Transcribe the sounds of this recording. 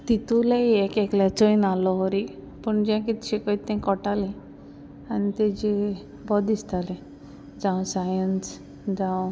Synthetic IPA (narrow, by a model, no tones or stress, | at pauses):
t̪it̪uleɛkeklat͡sojnalɔɦɔɾi | pəɳd͡ʑãkit̪ɕekɔit̪ːɛ̃kɔʈalẽ | anit̪ed͡ʑe | bɔd̪ist̪alẽ | d͡zãw̃sajəns | d͡zaw